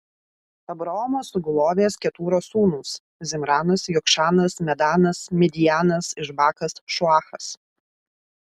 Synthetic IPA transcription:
ɐbɾɐɔːmoːsʊɡʊlˠoːʋʲeːskʲɛt̪uːɾoːsuːnʊs | zʲɪmɾɑːnɐsjɔkʃɑːnɐsmʲɛd̪ɑːnɐsmʲɛd̪ʲɪjæːnɐsɪʃbɑːkɐsʃʊɑːxɐs

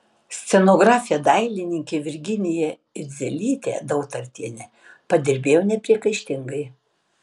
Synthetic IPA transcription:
sʲt̪sʲɛnoːɡɾɑːfʲɪjɛd̪ɐɪlʲɪnʲɪŋʲkʲeʋʲɪɾʲɡʲɪnʲɪjɛ | ɪzʲɛlʲiːt̪ʲḛːd̪ɐʊt̪ɐɾʲt̪ʲiɛnʲɛ | pɐd̪ʲɪɾʲbʲeːjonʲɛpʲɾʲiɛkɐɪʃʲt̪ʲɪŋɡɐɪ

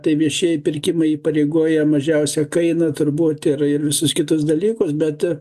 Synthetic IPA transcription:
t̪ɐɪʋʲiɛʃʲiɛjɪpʲɪrʲkʲɪmɐɪiːpɐɾʲɛɪɡuɔjɛmɐʒʲɛʊsʲɛkɐɪnɐt̪ʊrbuːt̪ɪrɪrʋʲɪsʊskʲɪt̪ʊsd̪ɐlʲiːkʊsbʲɛt̪

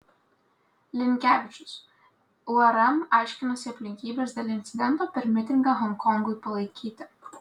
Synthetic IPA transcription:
lʲɪŋʲkʲæːʋʲɪt͡ʃʲʊs | uɐɾɛmɑˑɪʃʲkʲɪnɐsʲɪɐpʲlʲɪŋʲkʲiːbʲeːsd̪ʲeːlʲɪnʲt̪sʲɪd̪ʲɛnt̪oːpʲɛɾmʲɪt̪ʲɪŋɡɑɦɔŋkɔŋɡʊɪpɐlˠɐɪkʲʰiːt̪ʲɪ

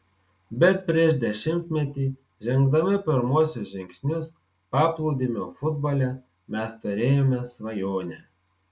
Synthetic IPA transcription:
bʲɛt̪̚pʲɾʲiɛʃd̪ʲɛʃʲɪmʲt̪ʲmʲɛt̪ʲiː | ʒʲɛŋɡ̚d̪ɐmʲɪpʲɪɾmuɔsʲʊsʒʲɪŋʲksʲnʲʊs | pɑːplˠuːd̪ʲimʲoːfʊd̪̚bɐlʲɛ | mʲɛst̪ʊɾʲeːjoːmʲɛsʋɐjoːnʲɛ

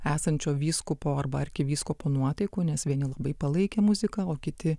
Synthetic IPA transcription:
æːsɐnʲt͡ʃʲoːʋʲiːskʊpoːɐrbɐɐɾʲkʲɪʋʲiːskoːpoːnuɔt̪ɐɪkoːnʲɛsʋʲiɛnʲɪlˠɐbɐɪpɐlˠɐɪkʲeːmʊzʲɪkɐoːkʲɪt̪ʲɪ

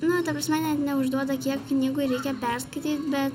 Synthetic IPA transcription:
nʊt̪ɐpɾɐsʲmʲɛnʲɛt̪nʲɛʊʒd̪uɔd̪ɐkʲiɛkknʲiːɡʊɾʲɛɪkʲɛpʲɛɾskɐɪt̪ʲiːt̪bʲɛt̪

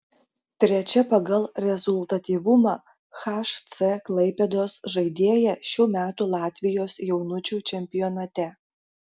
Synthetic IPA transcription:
t̪ʲɾʲɛt͡ʃʲɛpɐɡɐlˠɾʲɛzʊlˠt̪ɐt̪ʲiːʋʊmɑː | xɑːʃt̪sɛklˠɐɪpʲɛd̪oːsʒɐɪd̪ʲeːjɛʃʲuːmʲæːt̪uːlˠɑːt̪ʲʋʲɪjoːsjɛʊnʊt͡ʃʲuːt͡ʃʲɛmʲpʲɪjɔːnɐt̪ʲɛ

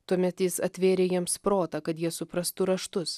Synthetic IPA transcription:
t̪uɔmʲɛt̪jɪsɐt̪ʲʋʲeːɾʲeːjiɛmspɾoːt̪ɐkɐt̪jiɛsʊpɾɐst̪ʊɾɐʃt̪ʊs

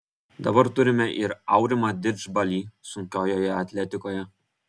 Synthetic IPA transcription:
d̪ɐbɐɾt̪ʊɾʲɪmʲɛʔɪɾɐʊɾʲɪmɐd̪ʲɪd͡ʒbɐlʲiːsʊŋʲkʲoːjoːjɛɐt̪ʲlʲɛt̪ʲɪkoːjɛ

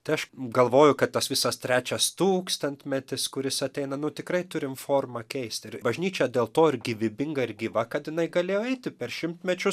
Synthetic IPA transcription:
t̪ɐɪɐʃɡɐlˠʋoːjʊkɐttːɐsʋʲɪsɐst̪ʲɾʲæːt͡ʃʲɛst̪uːkst̪ɐnʲt̪ʲmʲɛt̪ʲɪskʊɾʲɪsɐt̪ʲɛɪnɐnʊt̪ʲɪkɾɐɪt̪ʊɾʲɪmfoːrmɐkʲɛɪsʲt̪ʲɪɾbɐʒʲnʲiːt͡ʃʲɛd̪ʲeːlˠt̪oːɪɾɡʲɪʋʲɪbʲɪŋɡɐɪɾɡʲiʋɐkɐt̪jɪnɐɪɡɐlʲeːjoːɛɪt̪ʲɪpʲɛrʃʲɪmt̪ʲmʲɛt͡ʃʲʊ

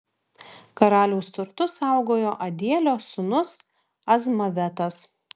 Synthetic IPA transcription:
kɐɾɑːlʲuːst̪ʊɾt̪ʊsɑˑʊɡoːjoːʔɐd̪ʲiɛlʲoːsʊnʊs | ɐzmɐʋʲɛt̪ɐs

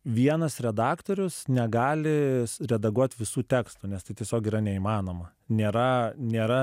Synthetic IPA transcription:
ʋʲiɛnɐsɾʲɛd̪ɑːkt̪oːɾʲʊsnʲɛɡɑːlʲɪɾʲɛd̪ɐɡuɔt̪ʲʋʲɪsuːt̪ʲæːkst̪unʲɛst̪ɐɪt̪ʲiɛsʲoːkiːɾɐnʲɛiːmɑːnoːmɐ | nʲeːɾɐnʲeːɾɐ

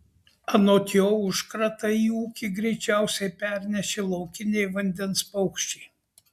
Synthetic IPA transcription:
ɐnoːt̪ʲjoːʊʃkɾɐt̪ɐiːuːkʲiɡɾʲɛɪt͡ʃʲæˑʊsʲɛɪpʲæɾʲnʲɛʃʲelˠɐʊkʲɪnʲɛɪʋɐnʲd̪ʲɛnspɐʊkʃʲt͡ʃʲɛɪ

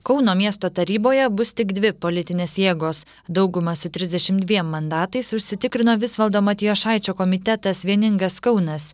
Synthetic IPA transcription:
kɒʊnoːmʲiɛst̪oːt̪ɐɾʲiːboːjɛbʊst̪ʲɪɡd̪ʲʋʲɪpolʲɪt̪ʲɪnʲeːsjeːɡoːs | d̪ɒʊɡʊmɐsʊt̪ʲɾʲɪzʲd̪ʲɛʃʲɪmd̪ʲʋʲiɛmːɐnd̪ɑːt̪ɐɪsʊʃʲsʲɪt̪ʲɪkɾʲɪnoːʋʲɪsʋɐlˠd̪oːmɐt̪ʲɪjoːʃɑˑɪt͡ʃʲoːkɔmʲɪt̪ʲɛt̪ɐsʋʲiɛnʲɪŋɡɐskɒʊnɐs

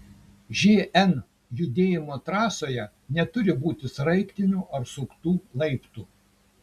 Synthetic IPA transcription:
ʒʲeːɛn | jʊd̪ʲeːjɪmoːt̪ɾɑːsoːjɛ | nʲɛt̪ʊɾʲɪbuːt̪ʲɪsɾɐɪkʲt̪ʲɪnʲuːʔɐɾsʊkt̪uːlˠɐɪpt̪uː

